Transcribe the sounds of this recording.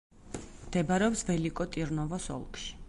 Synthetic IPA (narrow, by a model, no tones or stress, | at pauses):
md̪̥ɛbaɾɛɔpsvɛlikʼɔt̪ʼiɾnɔvɔsɔ̰lˠkʼʃi̥